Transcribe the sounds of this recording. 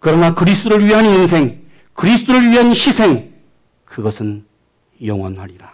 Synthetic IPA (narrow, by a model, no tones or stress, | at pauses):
kɯɾʌnakɯɾisʰt͈oɾɯɭɥiɦaninsʰe̞ŋ | kɯɾisʰɯ̥t͈oɾɯɾɥiɦanɕisʰe̞ŋ | kɯɡʌsʰɯn | jʌŋwʌ̰nhaɾiɾa